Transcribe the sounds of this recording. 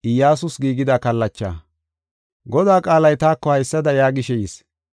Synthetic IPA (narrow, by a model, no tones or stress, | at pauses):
ɪjaːsʊsɡiːɡɪd̪akɐlːɐt͡ʃːa̰ː | ɡɔd̪aːkʼaːlɐjt̪aːkːɔhɐjsːɐd̪ɐjaːɡɪʃɛjis